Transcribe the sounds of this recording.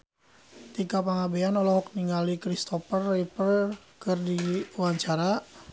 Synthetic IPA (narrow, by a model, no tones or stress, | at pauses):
t̪ikapaŋabeanɔlɔɦɔkniŋɡalikɾist̪ɔfərːipər | kɨrdiwaɲt͡ʃaɾa